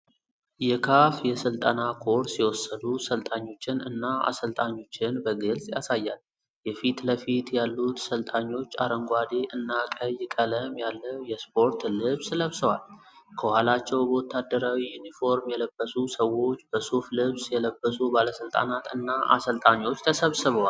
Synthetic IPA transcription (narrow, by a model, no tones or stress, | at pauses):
jɛkʰafjɛsɨlt̪ʼənakʰo̞ɾsiwɔsːəd̪usəlt̪ʼaɲːo̞t͡ʃːɪnɨ̰nːaa̰səlt̪ʼaɲːo̞t͡ʃːɪnbəɡɨlsʼja̰sajːal | jɛfit̪ləfit̪jalːut̪səlt̪ʼaɲːo̞t͡ʃːa̰ɾəŋɡʷad̪e̞ʔɨnːakʼəjɪkʼələmjalːəwjɛspʰo̞ɾt̪lɨβsləβsəwal | kʰəwalat͡ʃːɛwbot̪ʰːad̪ːəɾawijunifo̞ɾmjɛləb̥ːəsusəwːo̞t͡ʃːbəsuflɨβsjɛləbːəsubaləsɨlt̪ʼa̰nat̪ɨnːaʔa̰səlt̪ʼaɲːo̞t͡ʃːt̪ʰəsəβsɨβəwa